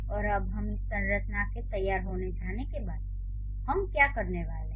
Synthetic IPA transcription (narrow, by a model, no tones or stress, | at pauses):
ɔːɾəbɦəmɪsːə̃nɾət͡ʃnaket̪əjːaːɾɦoːned͡ʒaːnekebaːd̪̚ | həmkjakəɾneʋaːleɦ